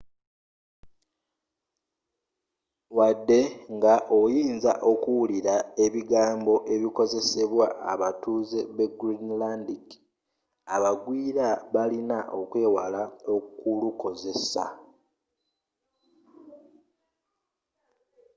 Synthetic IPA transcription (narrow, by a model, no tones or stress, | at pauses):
wadːe̞ŋɡaʔo̞jiːnza̰ʔo̞kuwuliɾae̞βiɡaːmbo̞ʔe̞βiko̞ze̞se̞βwa̰ːβatuːzeβeɡɾinlandiɡ | aβaɡwiːɾaβalinaʔo̞kwe̞ːwalaokuluko̞ze̞sa̰